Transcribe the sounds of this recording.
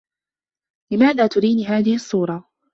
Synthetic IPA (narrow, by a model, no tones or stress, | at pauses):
lɪmaːðaːt̪ʊɾiːniːɦaːðɪhʔɑsˤːuːɾˤɑ